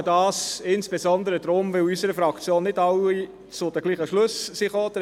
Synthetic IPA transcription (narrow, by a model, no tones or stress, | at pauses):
dɑːsɪnsb̥ezɔnd̪əɾəd̥̪ɾʊmʋɪwysəɾəfɾɑkt͡sjoːnːɪdɑwi | t͡sʊdəɡliːχəʃlɵssiχoːd̥̪ə